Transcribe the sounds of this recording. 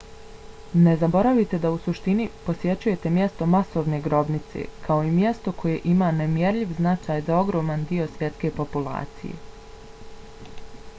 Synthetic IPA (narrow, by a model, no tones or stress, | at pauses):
ne̞zabo̞ɾaʋit̪e̞d̪ausuʃt̪iniposje̞t͡ɕuje̞t̪e̞mje̞st̪o̞maso̞ːʋne̞ːɡɾo̞bnit̪se̞̰kʰao̞imje̞st̪o̞kʰo̞je̞ʔimaːnemje̞ɾʎiʋznat͡ʃaːjzao̞ɡɾo̞ːmand̪io̞sʋje̞t̪ske̞ːpo̞pulˠa̰ːt̪sḭjḛ